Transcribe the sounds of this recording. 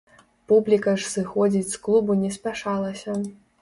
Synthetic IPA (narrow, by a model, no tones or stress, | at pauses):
publʲikɐʂsɨxɔd͡zʲit͡sʲsklˠubunʲɛspʲaʂalˠɐsʲɐ